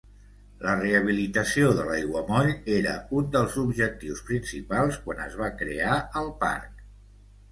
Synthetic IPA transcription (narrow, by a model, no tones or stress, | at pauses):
ləreəβ̞ilit̪əsioðəlajɣwəmɔʎeɾə̰und̪əlˠzubʒək̚t̪iwspɾinsipalˠskwanə̰zβ̞akɾḛaəlˠpa̰ɾk̚